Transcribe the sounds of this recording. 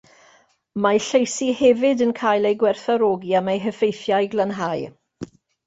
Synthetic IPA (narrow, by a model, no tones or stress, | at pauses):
majɬejsihɛvɪdənkʰaːjlˠejɡwɛrθaɾoːɡiamejɦəfejθjajɡlˠanɦaj